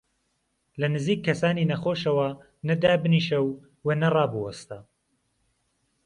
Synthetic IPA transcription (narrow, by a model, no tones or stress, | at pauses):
lɐnɨziːkʰːɐsaːniːnɐxoːʃɐwɐ | nɐd̪aːbɨniːʃɐw | weːnɐrɑːbɨwɐst̪ɐ